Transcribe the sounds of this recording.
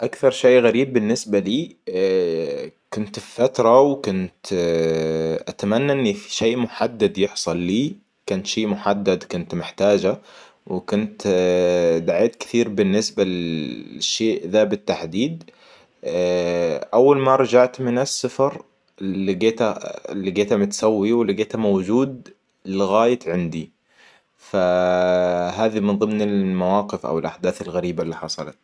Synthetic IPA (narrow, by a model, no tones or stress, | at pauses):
ʔakθɑɾˤʃeːɣaɾiːbːɪnːɪsbaliː | kʊnt̪ffat̪ɾˤɑwkʊnt̪ | ʔat̪amanːaʔɪnːifi̥ʃeːʔmʊħad̪ːad̪jɪħsˤɑlːiː | kant̪ʃeːʔmʊħad̪ːad̪kʊnt̪mɪħt̪aːd͡ʒa | wɪkʊnt̪ | d̪aʕeːt̪kɪ̥θiːɾbɪnːɪsbalɪʃːeːʔðaːbɪt̪ːaħd̪iːd̪̚ | ʔawːalmaɾˤɑd͡ʒaʕt̪mɪnasːafɑɾˤ | lːiɡeːt̪a̰lːiɡeːt̪hamɪt̪sawːiwɪlːɪɡeːt̪amawd͡ʒuːd̪̚ | lɪɣaːjat̪ʕɪnd̪i | fa | ɦaːðimɪnðˤɨmnɪlmawaːqɪfʔa̰wɪlʔaħd̪aːθalɣaɾiːbaɪlːiħɑsˤɑlɑt̪̚